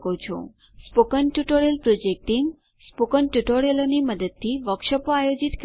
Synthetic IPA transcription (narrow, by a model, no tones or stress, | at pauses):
kot͡ʃʰo̰ | spokənʈuʈoɾiəlpɾod͡ʒek̚ʈim | spokənʈuʈoɽeloniməd̪əd̪̚t̪ʰiʋəkʃəpoajod͡ʒit̪k